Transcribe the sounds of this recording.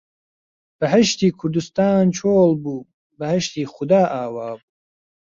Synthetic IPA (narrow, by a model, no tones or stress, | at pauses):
b̥ɐɦɐʃt̪iːkʰʊɾd̪ust̪aːnt͡ʃʰoːlbuː | bɐhɐʃt̪iːxʊd̪aːʔaːwaːbuː